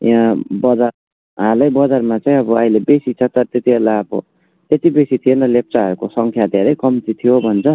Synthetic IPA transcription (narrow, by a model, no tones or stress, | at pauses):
jãbʌd͡za | ɦãlʌjbʌd͡zarmat͡saĩʌbʌʌjlebesit͡sʰʌt̪ʌt̪et̪ielaʌbʌ̰ | t̪et̪ibesit̪ʰijenʌlep̚t͡saɦʌɾukosʌŋkʰjad̪ʱeɾʌjkʌmt͡sit̪ʰijobʱʌnt͡sʰʌ